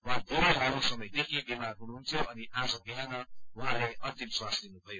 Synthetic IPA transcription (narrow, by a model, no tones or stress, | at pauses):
wãd̪ʱeɾeɦawnosʌmʌjd̪ekʰebimaunuɦunt̪ʰjoʔʌniʔad͡zʌɡiɦanʌwãlajʌnt̪imswasd̪inubʱʌjo